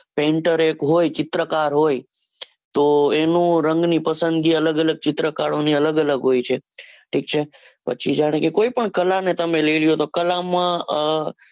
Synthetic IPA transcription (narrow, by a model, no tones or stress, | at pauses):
pẽɳʈəɾekɦojt͡ʃɪt̪ɾəkaɾɦoj | t̪oenũɾəŋɡnipəsənd̪ɡiələɡələɡ̚t͡ʃɪt̪ɾəkaɽoniələɡələɡɦojt͡ʃʰeʈʰik̚t͡ʃʰe | pə̰t͡ʃʰid͡ʒaɽ̃ekekoipəɳkəlanet̪əmẽlelijot̪okəlamã